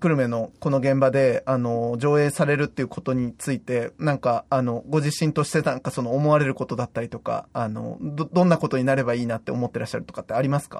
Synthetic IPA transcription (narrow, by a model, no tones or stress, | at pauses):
kɯ̟ɾɯ̟me̞no̞ko̞no̞ɡẽ̞mbad̪e̞ano̞ʑo̞ːe̞ːsaɾe̞ɾɯ̟t̪ːe̞iɯ̟kʰo̞t̪o̞ɲ̟it͡sɨit̪e̞nãŋkaano̞ɡo̞ʑiɕĩnt̪o̞ɕi̥t̪e̞nãŋkaso̞no̞ːmo̞βaɾe̞ɾɯ̟ko̞t̪o̞d̪at̪ːaɾʲit̪o̞ka̰ano̞̰d̪d̪õ̞nːako̞t̪o̞ɲ̟inaɾe̞baiːnat̪ːe̞o̞mo̞t̪ːe̞ɾaɕːaɾɯ̟t̪o̞kat̪ːeaɾʲimasɨ̥ka̰